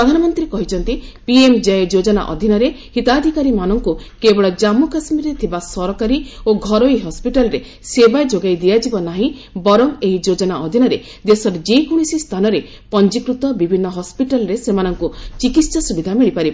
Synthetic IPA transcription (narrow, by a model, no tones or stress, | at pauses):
ɾɔd̪ʱanɔmɔnt̪ɾiekɔɦit͡ʃʰɔnt̪ipiemd͡ʒajɔd͡ʒod͡ʒɔna̰ʔɔ̰d̪ʱinɔɾe | hit̪ad̪ʱikaɾimanɔŋkukebɔɭɔd͡ʒamukasmiɾet̪ʰibasɔɾɔkaɾioɡʱɔɾoiɦɔspiʈalɔɾe | sebajd͡ʒoɡajd̪ijad͡ʒibɔnaɦĩbɔɾɔŋeɦid͡ʒod͡ʒɔnaʔɔd̪ʱinɔɾe | d̪esɔɾed͡ʒekuɽ̃isist̪ʰanɔɾe | pɔnd͡ʒikɾut̪ɔbibʱinːɔɦɔspiʈalɔɾesemanɔŋkut͡ʃikit̪sasubid̪ʱamiɭipaɾi